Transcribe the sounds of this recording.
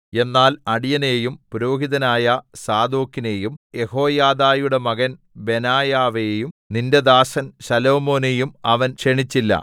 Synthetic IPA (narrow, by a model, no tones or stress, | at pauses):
e̞nːaːlɐɽijɐne̞ːjumpuɾo̞ːɦiðɐnaːjɐsaːd̪oːkːine̞ːjumje̞ho̞ːjaːd̪aːjuɽe̞mɐɣɐn | be̞naːjaːʋejumninde̞d̪aːsɐnsɐlo̞ːmo̞ːnejumɐʋɐnʂeɳit͡ɕːilːɐ̰